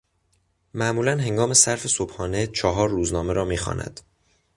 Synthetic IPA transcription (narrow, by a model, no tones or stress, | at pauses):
mæʔmuːlænɦe̞ŋɡɒːme̞sæɾfe̞sobhɒːne̞t͡ʃʰɒɦɒːɾːuːznɒːme̞ɾɒːmiːxɒ̰ːnʔæ̰d̪̥